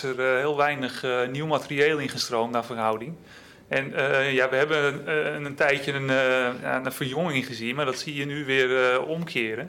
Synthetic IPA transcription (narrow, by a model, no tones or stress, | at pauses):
ərhɪːəlˠʋɛjnəxniwmatərieːlˠɪnχəstroːmdafərɦawdɪŋ | ʔɛnjaʋəɦɛbəəntɛjtjənja̰nəfərjoŋɪŋɪnχəzinmardɔtsiəjənyʋɪərɔmkʰɪːəɾən